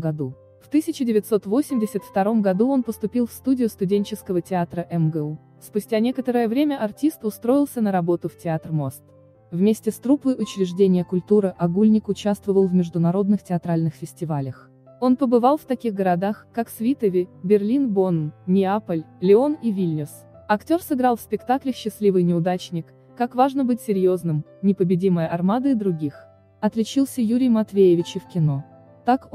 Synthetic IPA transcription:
ɡɐd̪u | ft̪ɨsʲɪt͡ɕɪdʲɪvʲɪt̪so̞t̪vo̞sʲɪmʲdʲɪsʲət̪ft̪ɐɾo̞mɡɐd̪uo̞npəst̪ʊpʲilˠfst̪udʲɪjʊst̪ʊdʲenʲt͡ɕɪskəvətʲɪat̪ɾəʔɛmɡɨu | spʊsʲtʲanʲe̞kət̪əɾəjəvɾʲemʲəʔɐrtʲist̪ʊst̪ɾo̞ɪlˠsʲənəɾɐbo̞t̪ʊftʲɪat̪rmo̞st̪ | vmʲesʲtʲɪst̪ɾuplˠəjʔʊt͡ɕɾʲɪʐdʲenʲɪjəkʊlʲt̪uɾɨʔɐɡulʲnʲɪkʊt͡ɕast̪vəvəlˠvmʲɪʐd̪ʊnɐɾo̞d̪nɨxtʲɪɐt̪ɾalʲnɨxfʲɪsʲtʲɪvalʲəx | o̞npəbɨvalˠft̪ɐkʲiɣɡəɾɐd̪axkaksvʲit̪əvʲɪbʲɪrlʲinbo̞nnʲɪapəlʲlʲɪo̞nivʲilʲnʲʊs | ɐktʲo̞rsɨɡɾɑlˠfspʲɪkt̪aklʲɪxɕːɪslʲivɨjnʲɪʊd̪at͡ɕnʲɪk | kːakvaʐnəbɨtʲsʲɪɾʲjo̞znɨm | nʲɪpəbʲɪdʲiməjəʔɐrmad̪əɪd̪ɾʊɡʲix | ɐt̪lʲɪt͡ɕilˠsʲəjuɾʲɪjmɐt̪vʲejɪvʲɪt͡ɕɪfkʲɪno̞ | t̪ak

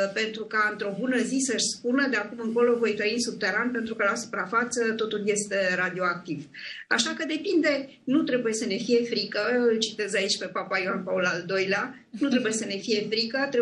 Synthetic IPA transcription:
pe̞nt̪ɾukaɨnt̪ɾo̞bunəzisəɨʃʲspunəd̪eakumɨŋko̞lo̞vo̞jt̪ɾəisub̚t̪e̞ɾanpe̞nt̪ɾukəlasu̥pɾafat̪sət̪o̞t̪ulje̞st̪e̞ɾad̪io̞ak̚t̪iva̰ʃakəd̪e̞pind̪e̞ | nut̪ɾe̞buje̞səne̞fije̞fɾikəɨlt͡ʃit̪e̞zait͡ʃʲpe̞papajoɦanpaulald̪o̞jlea | nnut̪ɾebuje̞səne̞fije̞fɾikət̪ɾe

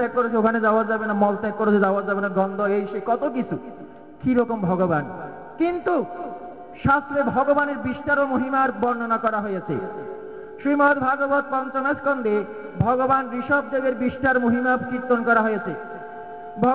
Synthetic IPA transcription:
ɛkkoɾeeokʰaned͡ʑaoad͡ʑabenamɔlt̪ɛk̚ːoɾot͡ɕʰed͡ʑaoad͡ʑabenaɾɡʱɔnd̪oejʃekɔt̪ok̬it͡ɕʰu | kiɾɔkombʱɔɡoban | kint̪u | ʃast̪ɾebʱɔɡobaneɾbiʃʈaɾomoɦimaɾbɔnːonakɔɾaɦojet͡ɕʰḛ | ʃɾimɔd̪bʱaɡobod̪̚pɔnt͡ɕɔmeskɔnd̪e | bʱɔɡobanɾiʃɔb̚d̪ebeɾbiʃʈaɾmoɦimapokiɾt̪ːonkɔɾaɦojet͡ɕʰe | bʱɔ

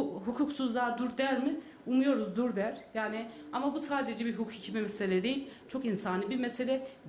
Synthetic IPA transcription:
ɦukʰuksuzlˠaːd̪uɾd̪æɾmɪ | umujo̞ɾuzd̪uɾd̪æɾ̥jaːnɪamabusaːd̪ed͡ʒɛbiɾɦukʰukicʰibimese̞lʲɛd̪e̞jilʲt͡ʃʰo̞kinsaːnɯbiɾmese̞lʲɛ

